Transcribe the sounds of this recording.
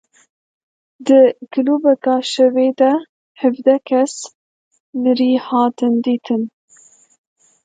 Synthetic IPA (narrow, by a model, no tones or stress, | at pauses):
d̪ɨkɨluːbɛkɑːʃɛveːd̪ɛ | hɨvd̪ɛkʰɛs | mɨɾiːhɑːt̪ɨnd̪iːt̪ʰɨn